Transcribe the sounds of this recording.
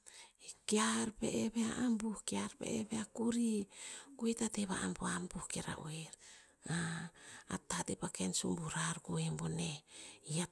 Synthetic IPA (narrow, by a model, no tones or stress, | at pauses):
ekiaɾpḛʔeβeaʔambuhkiaɾpḛʔeβeakuɾikuetateβa̰ʔampoambuhkeɾa̰ʔoeɾ | ŋaa̰tatepakensumbuɾaɾkuemboneia